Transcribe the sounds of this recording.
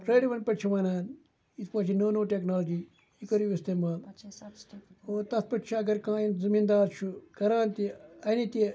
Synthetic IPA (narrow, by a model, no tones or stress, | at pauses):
pɾeːɽiʋɐnpɐʈt͡ʃʰiʋɐnaːn | it̪pɐːt͡ʃʰinoːnoːʈeknaːlːd͡ʒiː | ikoɾiʋist̪eːmaːl | oːt̪ɐspɐʈt͡ʃʰiɐɡɐɾkãːinzɐmiːnd̪aːɾt͡ʃʰukɐɾãːnt̪iɐnit̪e